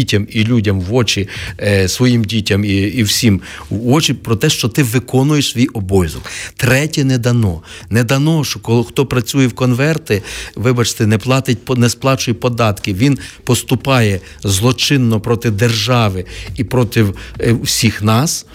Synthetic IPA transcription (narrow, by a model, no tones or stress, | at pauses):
itʲɐmilʲudʲɐmʋɔt͡ʃisʋɔjimdʲitʲɐmiːwsʲimː | ɔt͡ʃipɾɔt̪ɛʃt͡ʃɔt̪ɪʋɪkɔnʊjeʃsʋʲijɔbɔjzʊkt̪ɾɛtʲɛnɛd̪ɐnɔnɛd̪ɐnɔʃt͡ʃɔkɔxt̪ɔpɾɐt͡sʲujɛwkɔnʋɛrt̪ɪʋɪbɐt͡ʃt̪ɛnɛplˠɑt̪ɪt̚ʲpnɛsplˠɑt͡ʃʊjɛpɔd̪ɑt̪kɪʋʲinpɔst̪ʊpɑjɛ | zlˠɔt͡ʃɪnːɔpɾɔt̪ɪd̪erʒɑʋɪipɾɔt̪ɪwusʲixnɑs